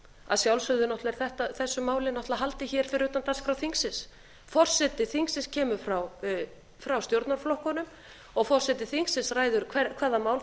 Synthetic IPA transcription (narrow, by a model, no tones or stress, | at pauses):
a̰ðsjawlsʏɣðʏnɔht̪lɛɾ̥θɛht̪aθɛsːʏmaːwlɪnɔht̪laɦalt̪ɪçɛːɾ̥fɪɾʏːt̪ant̪anskɾawθiŋksɪs | fɔr̥sɛt̪ɪθiŋksɪscʰɛːmʏfɾaw | fɾawst̪jowɾt̪naɾ̥flɔhkɔnʏm | ɔɣfɔr̥sɛt̪ɪθiŋksɪsraːjðʏɾ̥kʰvɛkʰvɛːɾðamaːwl